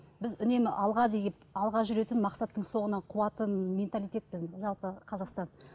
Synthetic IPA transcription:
bɪzʏne̞mɪʔɑlˠʁɑd̪ejɪp̚ɑlˠʁɑʒʏɾe̞t̪ɪnmɑqsɑt̪ːəɴso̞ɴənɑqʰʊwɑt̪ənmʲe̞nt̪alʲˠijt̪ʲe̞t̪̚bɪzʒɑlˠpəqʰɑzɑqst̪ɑn

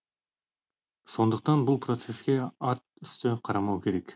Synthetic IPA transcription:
so̞nd̪uq̚t̪ɑnbulˠpro̞t̪se̞skʲe̞ɑt̪̚ | y̥st̪øqʰɑɾɑmɑwke̞ɾe̞k

